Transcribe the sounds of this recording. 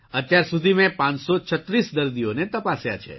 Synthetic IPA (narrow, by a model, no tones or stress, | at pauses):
ət̪jaɾsud̪ʱimẽpãnt͡ʃsot͡ʃʰət̪ɾisd̪əɾd̪ionet̪əpasja̰t͡ʃʰḛ